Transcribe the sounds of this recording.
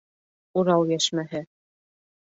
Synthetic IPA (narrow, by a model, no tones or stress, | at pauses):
uɾɑwjæʃmæɦɘ